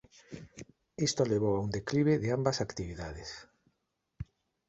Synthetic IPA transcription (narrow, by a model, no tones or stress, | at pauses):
ist̪oleβ̞owaund̪ekliβ̞eðeambasakt̪iβiðað̞es